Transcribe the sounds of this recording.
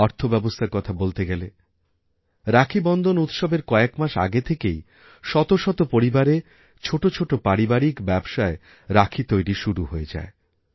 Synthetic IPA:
ɔɾt̪ʰobɛbost̪ʰaɾkɔt̪ʰabolt̪eɡɛle | ɾakʰibɔnd̪ʱonut̪ʃɔbeɾkɔekmaʃa̰ɡet̪ʰekej | ʃɔt̪oʃɔt̪opoɾibaɾe | t͡ɕʰoʈot͡ɕʰoʈopaɾibaɾikbɛbʃae | ɾakʰit̪ojɾiʃuɾuɦoed͡ʑa̰e

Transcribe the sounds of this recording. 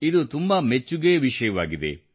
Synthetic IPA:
id̪ut̪umbɐmet͡ʃːuɡeːʋiʃɐjɐʋaːɡid̪e̞̰

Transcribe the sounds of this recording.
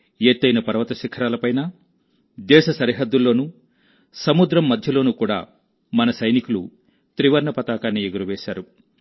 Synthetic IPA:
eːt̪ːɐjnɐpɐɾɐʋɐt̪ɐʃikʰːɐɾaːlɐpɐjnaː | d̪ɛːʃɐsɐɾiɦɐd̪ːulːo̞ːnu | sɐmud̪ɾɐmːɐd̪ʱjɐlo̞ːnukuːɽa̰ː | mɐnɐsɐjnikulṵ | t̪ɾiʋɐɾɳɐpɐt̪aːkaːnːieɡuɾuʋeːʃaːɾu

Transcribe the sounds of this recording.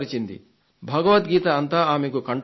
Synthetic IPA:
ɾit͡ʃind̪ḭ | bʱɐɡɐʋɐt̪ɡiːt̪ɐːnt̪aːaːmekukɐɳʈ

